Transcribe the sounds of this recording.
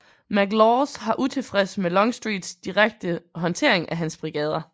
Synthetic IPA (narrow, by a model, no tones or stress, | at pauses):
mæɡ̥lɒːsɦɑ̈ʔut͡sʰe̝fʁɛsmelɒ̽ŋsd̥ʁiːd̥sd̥iʁaɡ̥̚d̥əɦɒ̽nt͡sʰe̝̰ɐ̰e̝ŋæɦænsb̥ʁiɡ̥ɛ̰ːð̞ˠɐ